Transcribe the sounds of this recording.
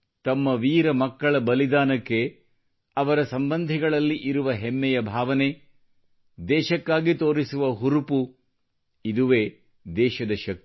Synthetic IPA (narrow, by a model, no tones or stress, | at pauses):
t̪ɐmːɐʋiːɾɐmɐkːɐɭɐbɐlid̪aːnɐkːe̞ | ɐʋɐɾɐsɐmbɐnd̪ʱiɡɐɭɐlːiʔiɾuʋɐɦemːɛjɐbʱaːʋɐne̞ | d̪ɛːʃɐkːaːɡit̪oːɾisuʋɐɦuɾupu | id̪uʋeː | d̪ɛːʃɐd̪ɐʃɐk̚t̪i̥